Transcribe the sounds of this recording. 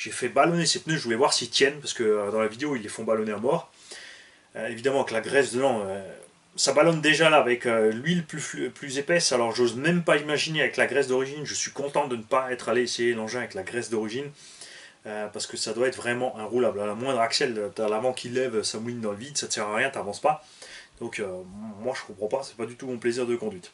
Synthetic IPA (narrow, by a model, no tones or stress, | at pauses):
ʒ̥efɛbalɔnesepnøʒəvulɛvwaʁsit̪jɛnpaʁsə̥kəød̪ɑ̃lavid̪eoilːefɔ̃balɔneamɔʁ | øevid̪amɑ̃klaɡʁɛsd̪ənɑ̃ø | sabalɔnd̪eʒalaːvɛkølɥilplyfplyzepɛsalɔʁʒozmɛmpaimaʒineavɛklaɡʁɛs̬d̪ɔʁiʒinʒəsɥikɔ̃t̪ɑ̃d̪ənəpaɛt̪χaleesejelɑ̃ʒɛ̃avɛklaɡʁɛsd̪ɔʁiʒin | øpaʁsə̥kəsad̪waɛt̪χvʁɛmɑ̃ʔɛ̃ʁulablalamwɛ̃d̪ʁaksɛløt̪alavɑ̃kʰʲilɛvøsamulind̪ɑ̃ləvid̪sat̪ə̥sɛʁaʁjɛ̃t̪avɑ̃spa | d̪̥ɔ̃kømwaʒəkɔ̃pχɑ̃pasɛ̥pad̪yt̪umɔ̃pleziʁd̪əkɔ̃d̪ɥit̪